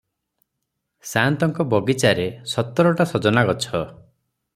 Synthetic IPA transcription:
sant̪ɔŋkɔbɔɡit͡ʃaɾesɔt̪ːɔɾɔʈasɔd͡ʒɔnaɡɔt͡ʃʰɔ

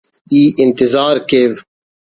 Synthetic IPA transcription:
iːʔɪnt̪ɪzaːɾkeːv

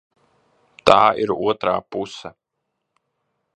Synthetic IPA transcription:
t̪aːʔiɾuɔt̪ɾaːpusɛ

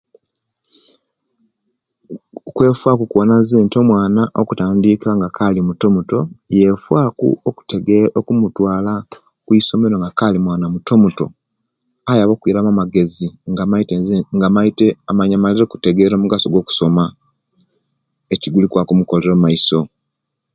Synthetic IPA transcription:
kwe̞ːfwakukuonazeːnto̞mwaːnaʔo̰kutaːndiːkaŋɡakʰalimuto̞muto̞je̞fwakṵoku̥teɡokumutwaːla | kwiso̞me̞ɾo̞ŋɡakalimwaːnamuto̞muto̞̰ | ajaβoːkuiɾamamaɡe̞ziŋɡaatŋɡamaiteamaɲamaleɾeku̥te̞ɡeːɾo̞ːmuɡaso̞ɡwo̞ːku̥so̞ma | eciɡulikwakumuko̞le̞ɾomaiso̞

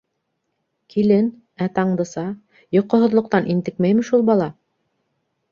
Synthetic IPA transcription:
kilɘn | æt̪ɑɴd̪ɤ̆sɑ | jŏqːŏɦŏðlˠŏq̚t̪ɑnʔint̪ɘkmæjmɘ̆ʃulˠbɑlˠɑ

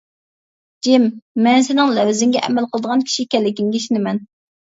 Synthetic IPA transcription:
d͡ʒɪmːɛnsɪnɪŋlɛwzɪŋɡʲɛʔɛ̰mɛlqəlˠəd̪əʁɑnkʲʰi̥ʃikʲɛlːɪkʲiŋɡʲiʃinɪmɛn

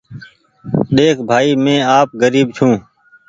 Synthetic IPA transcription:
ɗeːkʰbʱaːiːmẽːaːp̚ɡəɾiːbt͡ʃʰũː

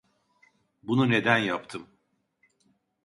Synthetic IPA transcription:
bunune̞d̪ænjap̚t̪ʰɯm

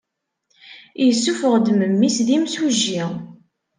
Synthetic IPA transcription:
jəsːufəʁd̪məmːisðimsuʒːi

